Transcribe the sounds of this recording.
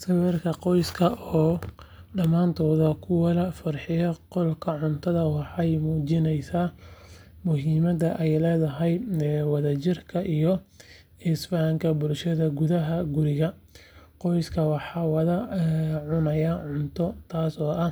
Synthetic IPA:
sɐwɛrkʰɐqɔjskʰɐʔɔː | ɖɐmaːnt̪ʰɔːðɐkʰʊwɑlɐfɐrħɪjɐqɔlkʰɐʕʊnt̪ʰɐðɐwɑħɑjmuːt͡ʃɪnɛjsaː | mʊɦiːmɐdɐʔɛjlɛːðɐɦɛjwɑðɐt͡ʃɪrkʰɐʔijɔ | ɪsbaːŋkʰɐbʊlʃɐðɐɡʊðɐɦɐɡʊɾɪɣɐ | qɔjskʰɐwɑħɑːwɑðɐʕʊnɐjɐʕʊnt̪ʰɔt̪ʰaːsɔːʔɐ

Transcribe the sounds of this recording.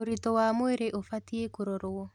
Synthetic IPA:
oɾitɔwamoeɾeʔofatiekoɾɔɾoɔ

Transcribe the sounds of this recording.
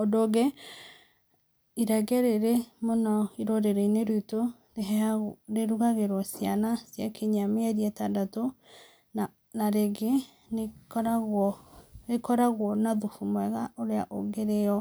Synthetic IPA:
odoɡɛ | iɾɛɣɛɾeɾemonɔiɾoɾeɾɛineɾuto | deɦdeɾuɣaɣeɾwɔsjanasjakʰeɲameɛɾiɛtadato | na | naɾeɡe | nekɾaɣɔekɔɾaɣwɔnaðufumwɛɣaoɾeaʔoɡeɾeɔ

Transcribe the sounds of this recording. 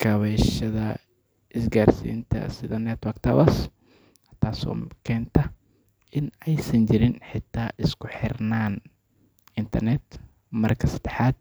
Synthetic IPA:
kʰɐβɛʃɐðɐ | ʔɪsɡaːrsḭːnt̪ʰɐ̰sɪðɐnɛt̪wɐkt̪ʰɐwɐs | t̪ʰaːsɔ̰ːkʰɛːnt̪ʰɐ | ɪnɛjsɐɲt͡ʃɪɾɪnħɪt̪ʰːaːʔɪskʰʊħɪrnaːn | ɪnt̪ʰɐrnɛt̪ | mɐrkʰɐsɐd̪̥ɛħaːd̪̚

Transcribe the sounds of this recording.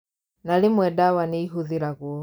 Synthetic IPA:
nalimwɛdawaniiɦuðiɾaɣuɔ

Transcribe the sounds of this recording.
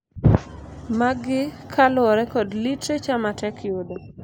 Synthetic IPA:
maɡɪkʰalɔɾɛkɔdlitɾet͡ʃamatɛkʰjodɔ

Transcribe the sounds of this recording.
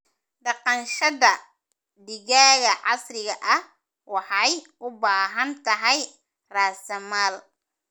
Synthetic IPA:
ɖɑqɑnʃɐðɐ | d̪ɪɣaːɣɐʕɑsrɪɣɐʔɐh | wɑħɑjʔʊbaːɦɐnt̪ʰɐɦɛj | raːsɐmaːl

